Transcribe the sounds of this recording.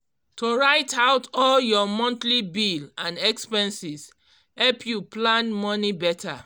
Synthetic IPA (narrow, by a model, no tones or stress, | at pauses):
toɹaɪtaʊtɔljɔmɔ̃ntlibilãnɛkspɛ̃nsis | hɛlpjuplãnmɔnibɛta̰